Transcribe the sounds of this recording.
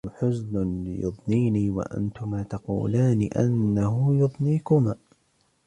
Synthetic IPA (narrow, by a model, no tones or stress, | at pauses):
ħʊznʊnlɪ̰jʊ̰ðˤniːniːwa̰ʔa̰nt̪ʊmaːt̪ɑqṵːlaːnɪʔa̰nːahʊjʊðˤniːkʊmaː